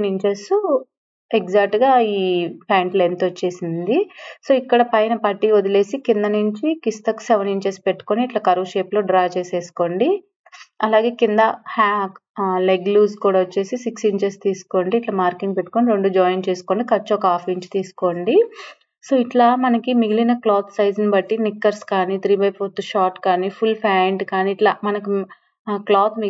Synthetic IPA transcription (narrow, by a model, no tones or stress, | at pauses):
niɲt͡ʃɐɾsu | ekd͡ʒaːk̚ʈɡaːiːpʰaːɳʈlent̪ɐt͡ʃːe̞ːsind̪iso̞ːikːɐɽɐpɐjnɐpɐʈːiːod̪ile̞ːsikind̪ɐnuɲt͡ʃikist̪ɐkseʋɐniɲt͡ʃɐspe̞ʈːu̥koniːʈlɐkɐɾuːʃeːplo̞ːɖɾaːt͡ʃe̞ːse̞ːsu̥ko̞ɳɖi | ɐlaːɡe̞ːkind̪ɐhaːk | leɡluːskuːɽaːʋɐt͡ʃːe̞ːsisiksiɲt͡ʃɐst̪iːsu̥ko̞ːɳɖiːʈlɐːmaːɾkiŋɡ̚pe̞ʈːu̥koniɾo̞ɳɖud͡ʒaːjnt͡ʃeːsu̥ko̞ːɳɖikɐt͡ʃːɔːkaːfiɲt͡ʃi̥t̪iːsu̥ko̞ːɳɖi | soːiʈlaːmɐnɐkimiɡilinɐklaːt̪ʰsɐjd͡ʒɐnbɐʈːinikːɐɾskaːnit̪ɾiːbɐjpʰoːɾt̪ʃaːʈkaːnipʰulpʰaːɳɖkaːniːʈlɐmɐnɐki | klaːt̪ʰmi